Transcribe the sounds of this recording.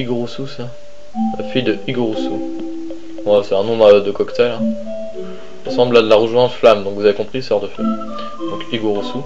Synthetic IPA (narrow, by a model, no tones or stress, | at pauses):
iɡʁususa | lafijd̪əʔiɡoʁusu | wasɛɛ̃nɔ̃bʁd̪əkɔkt̪ɛlɛ̃ | ɔsɑ̃blad̪əlaʁuʒwɛ̃flamd̪ɔ̃kvuzavekɔ̃pχisɔʁd̪əfø | d̪ɔ̃kiɡoʁusu